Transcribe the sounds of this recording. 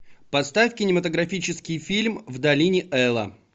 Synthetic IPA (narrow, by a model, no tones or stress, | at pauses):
pɐst̪afʲkʲɪnʲɪmət̪əɡɾɐfʲit͡ɕɪskʲɪjfʲilʲmvd̪ɐlʲinʲɪʔɛlˠə̰